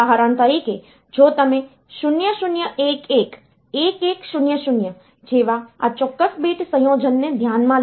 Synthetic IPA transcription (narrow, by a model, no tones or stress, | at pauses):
aːɦaɾãːnt̪əɾike | d͡ʒoːt̪əmẽ | ʃʊnjəʃʊnjəʔeːkeːk | eːkeːkʃʊnjəʃʊnjə | d͡ʒeːʋaat͡ʃɔkːəsbeːʈsəjõːd͡ʒʱənːẽd̪ʱjaːnmãl